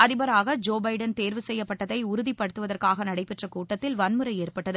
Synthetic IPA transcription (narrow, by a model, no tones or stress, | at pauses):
ɐðɪbɐɾaːɣɐd͡ʒoːbɐɪɖɐnt̪eːɾʋɯsɛjːɐpːɐʈːɐðɐɪʊɾʊðipːɐɽɯt̪ːɯʋɐðɐrkaːɣɐnɐɽɐɪpːɛʈrɐkuːʈːɐt̪ːɪlʋɐnmɯɾɐɪeːrpɐʈːɐðɯ